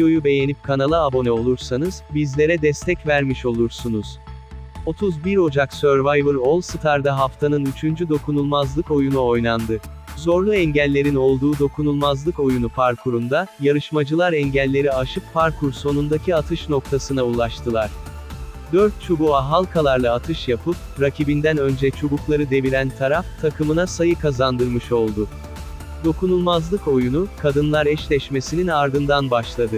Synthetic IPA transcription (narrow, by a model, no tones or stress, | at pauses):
ojube̞je̞nip̚kʰanalˠɯabo̞nɛo̞lˠuɾsanɯz̥bizlʲe̞ɾɛd̪ɛst̪ʰɛcvæɾmiʃo̞lˠuɾsunuz̥ | o̞t̪ʰuzbiɾo̞d͡ʒaksøɾvajvɯɾo̞lˠsɯt̪ʰaɾd̪aɦaft̪ʰanɯnyt͡ʃʰynd͡ʒyd̪o̞kʰunulˠmazlˠɯko̞junuo̞jnˠand̪ɯzo̞ɾlˠuɛɲɟælʲːe̞ɾino̞lˠd̪uːd̪o̞kʰunulˠmazlˠɯko̞junupʰaɾkʰuɾund̪ajaɾɯʃmad͡ʒɯlˠaɾɛɲɟælʲːe̞ɾiaʃɯpʰːaɾkʰuɾso̞nund̪acʰiat̪ʰɯʃno̞k̚t̪ʰasɯnaulˠaʃt̪ʰɯlˠaɾ̥ | d̪ø̞ɾt̪̚t͡ʃʰobuaɦalˠkʰalˠaɾlˠaːt̪ʰɯʃjapʰɯp̚ | ɾacʰibind̪ænø̞nd͡ʒɛt͡ʃʰobuklˠaɾɯd̪e̞vilʲænt̪ʰaɾaft̪ʰakʰɯmɯnasajɯkʰazand̪ɯɾmɯʃo̞lˠd̪ʊ | d̪o̞kunulˠmazlˠɯko̞junukʰad̪ɯnlˠaɾɛʃlʲɛʃme̞sininaɾd̪ɯnd̪anbaʃlˠad̪ɯ